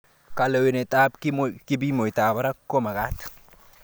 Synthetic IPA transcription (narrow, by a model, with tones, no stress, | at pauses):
ka˨lo˨we˨nɛ˨tʼa˦pkkɪ˦bi˦mo˨jta˨ba˦ɾa˦kːo˦ma˨ɡa˦t̪